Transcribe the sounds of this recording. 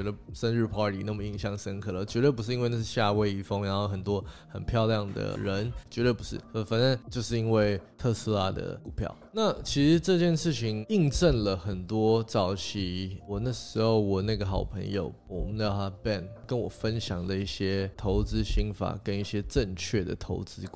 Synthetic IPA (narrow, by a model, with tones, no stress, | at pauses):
ɛ˧˥d̪ə˧ʂə˥nɻ̩˥˩pʰɑ˥t̪ʰḭ˨˩na˥˩mə˩i˥˧ŋɕjɑ˥˩ŋʂə˥nkʰɤ˨˩lə˨t͡ɕɥɛ˧˥t̪wə˥˩p̬u˥ʂ̬ɻ̩˥˩i˥nwe˥˧na˥˧˩ʂ̩˥˧˩ɕja˥˧we˥˧ɪi˥˩fo˥ŋna˧˥xo˥˩ʊxə˨˩nt̪̬wɔ˥xə̰˨˩npʰjɑ˥˧ʊljɑ˥˩ŋd̪ə̰˩ɻə˧˥nt͡ɕɥɛ˧˥t̪wə˥˧˩pu˧˥ʂɻ̩̰˥˩fə˨˩fə˨˩na˥˦nt͡ɕjo˥˧ʊʂɻ̩˥˧i˥nwe˥˩ɪt̪ʰɤ˥˩sɹ̩˥la˥˩d̪ə̰˨˩ku˨˩pʰjɑ̰˥˩ʊna˥˩t͡ɕʰi˧˥ʂɻ̩˧˥ʈ͡ʂɤ˥˧t͡ɕjɛ˥˧nʂɻ̩˥˩t͡ɕʰi˧˥ŋi˥˧ŋʈ͡ʂə˥˩nlə˩xə˨˩nt̪wɔ˥t͡sɑ˨˥ʊt͡ɕʰi˨˩wɔ˨˩na˥˩ʂɻ̩˧˥xo˧ʊwɔ˨˩na˥˩ɡə˩xɑ˨˩ʊpʰə̰˧˥ŋjo̰˧ʊ˨˩˧jɑ˥˧˩a˥pɛ˥˧˩nkə˦nwɔ˨˩fə˦nɕjɑ˨˩ŋd̪ə˦i˥˩ɕjɛ˥t̪ʰo˧˥ʊt͡sɹ̩˥ɕi˥ŋfa̰˨˩kə˥ni˥˩ɕjɛ˥ʈ͡ʂə˥˧ŋt͡ɕʰɥɛ˥˩d̪ə̰˩t̪ʰo˧˥ʊt͡sɹ̩˥